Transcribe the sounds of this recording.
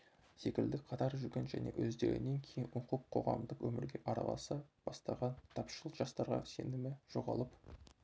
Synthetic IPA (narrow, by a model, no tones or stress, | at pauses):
se̞kʲɪld̪ɪkqʰɑt̪ɑɾʒʏɾɡʲenʒæ̰ne̞̰wʔɵzd̪e̞ɾʲɪ̰ne̞ŋkʲʰe̞jɪnʊɴqəqqʰo̞ʁɑ̰md̪əqwɵmɪɾɡʲe̞ʔɑɾɑ̰lˠɑ̰sɑb̥ɑst̪ɑʁɑnt̪ʰɑpʃəlˠəʒɑst̪ɑɾʁɑ̰se̞nɪmɪʒ̥o̞ʁɑlˠəp